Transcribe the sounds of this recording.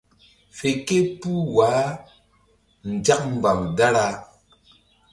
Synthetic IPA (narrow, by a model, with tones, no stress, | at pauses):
fe˨ke˦pu˦waː˨˦ | n̩˨d͡ʒa˦k̚m̩˨ba˨mda˦ɾa˦